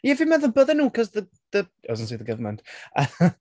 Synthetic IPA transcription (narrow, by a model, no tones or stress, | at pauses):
jɛvɪmɛnðəbəðənuːkʰɔzðə | ðə | ə̰zəntsʰiːðəɡəvəməntə